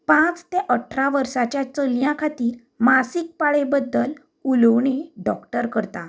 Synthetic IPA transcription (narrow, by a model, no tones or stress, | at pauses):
pãt͡st̪eʔəʈʰɾaʋəɾsat͡ɕjat͡səljãkʰat̪iːɾ | masik̚paɭebəd̪ːəl | uləwɳ̃eɖɔkʈəɾkəɾt̪a